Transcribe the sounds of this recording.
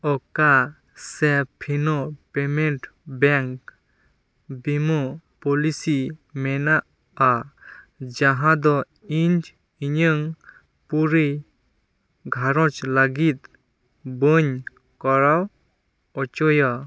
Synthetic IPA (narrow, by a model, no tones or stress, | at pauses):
ɔka | sepʰinɔpemɛnʈbɛŋk | bimɔpɔlisimɛnaʔː | d͡ʒaɦãd̪ɔ | iɲd͡ʒ | iɲɯŋ | puɾij | ɡʱaɾɔt͡ʃlaɡit̪ | bɔɲ | kɔɾaw | ɔt͡ʃɔjɔ